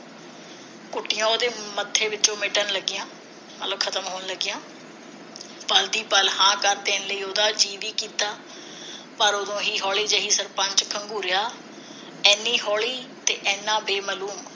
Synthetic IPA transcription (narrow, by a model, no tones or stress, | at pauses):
kʊʈːɪjãːd̪eːmət̪ʰːeːʋɪt͡ʃõːmɪʈənləɡɪjãː | mət̪ləbkʰət̪əmɦoːnləɡɪjãː | pəld̪iːpəlhãːkəɾd̪ẽːnləiːoːd̪aːd͡ʒiːʋiːkiːt̪aː | pəɾod̪õːɦiːɦɔːɭiːd͡ʒəɦiːsəɾpəɲt͡ʃkʰəŋɡuːɾɪjaː | ɛːnːiːɦɔːɭiːt̪eːʔɛːnːãːbeːməluːm